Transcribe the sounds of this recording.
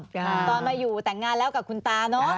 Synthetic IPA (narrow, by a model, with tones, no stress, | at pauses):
t̪ɔː˨˩nmaː˧jːuː˨˩t̪ɛ˨˩ŋːaː˧nlɛː˦˥wka˨˩p̚kʰu˧nt̪aː˧nɔ˦˥